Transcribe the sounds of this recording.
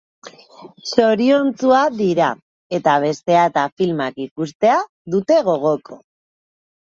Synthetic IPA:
so̞ɾio̞nt͡suaðiɾa | e̞t̪aβ̞e̞st̪e̞at̪afilmakikust̪e̞a | ðut̪e̞ɣ̞o̞ɣ̞o̞kʰo̞

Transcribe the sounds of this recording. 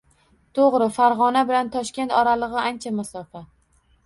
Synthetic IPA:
t̪ʰoʁɾɪfaɾʁɒnabɪlant̪ʰɒʃk̞ʲnt̪ɒɾalˠɨʁɨʔant͡ʃʰamasɒfa

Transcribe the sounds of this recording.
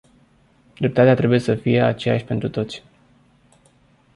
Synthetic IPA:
d̪ɾe̞p̚t̪at̪eat̪ɾe̞buje̞səfije̞at͡ʃe̞jaʃʲpe̞nt̪ɾut̪o̞t̪sʲ

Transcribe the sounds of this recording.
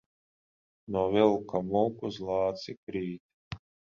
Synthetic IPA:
nɔvɛlˠkʰamuːkuzlˠaːt̪sikɾiːt̪ʲ

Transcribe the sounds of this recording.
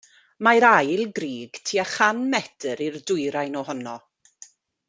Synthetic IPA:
majɾajlˠɡriːɡ̥tʰiːaχanmɛd̥əɾirdʊjɾajnɔhɔnɔ

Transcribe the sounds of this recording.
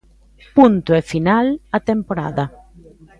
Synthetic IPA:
punt̪oefinalat̪empoɾa̰ðɐ

